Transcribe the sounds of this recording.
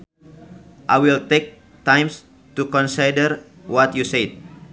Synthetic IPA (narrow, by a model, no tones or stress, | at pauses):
ʔajwilt̪ek̚ | t̪ãjms | t̪ukɔnsidəɾ | wɔt̪juset̪̚